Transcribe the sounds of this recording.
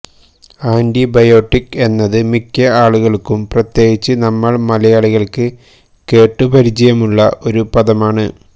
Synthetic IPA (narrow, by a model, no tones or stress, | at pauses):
aːndibɐjo̞ːʈːike̞nːɐðɨmikʲːɐaːɭuɣɐɭkːumprɐt̪je̞ːɡit͡ɕːɨnɐmːɐɭmɐlɐjaːɭiɣɐɭkɨ | ke̞ːʈːɨpɐɾid͡ʑɐjɐmuɭːɐʔo̞ɾupɐðɐmaːɳɨ